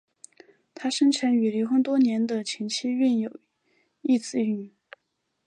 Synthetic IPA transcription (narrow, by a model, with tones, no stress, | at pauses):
t̪ʰa˥ʂə˥ŋʈ͡ʂʰə˧˥ny˨˩li˧˥xɤ˥ŋt̪wɔ˥njɛ˧˥nd̪ə˧t͡ɕʰi˧˥ŋt͡ɕʰi˥y˥˩njo˨˩ʊ | i˥˩t͡sɹ̩˥˧y˥˩n